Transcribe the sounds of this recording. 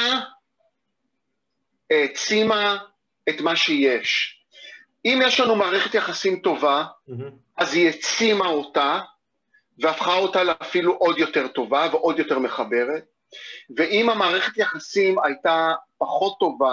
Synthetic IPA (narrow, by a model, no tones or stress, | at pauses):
a | et͡sima | etmaʃeje̞ʃ | imjeʃlanumaːʁeχetjeχasimto̞va | ʔazhiet͡simao̞ta | veafχao̞taleafiluʔo̞djo̞teʁto̞vaveʔo̞djo̞te̞ʁme̞χabe̞ʁe̞t̚ | veʔimamaːʁe̞χe̞tjeχasimajtapaχo̞tːo̞va